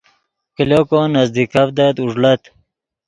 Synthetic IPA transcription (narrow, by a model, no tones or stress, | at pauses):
kilokonɐzd̪ikafd̪at̪uʐlɐt̪